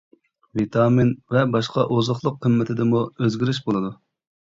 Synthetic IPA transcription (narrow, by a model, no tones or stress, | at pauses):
vit̪ʰɑːminvɛbɑʃqɑʔozʊχlˠʊqʰːəmːɪt̪ʰɪd̪ɪmuøzɡʲiɾyʃbolˠɨd̪u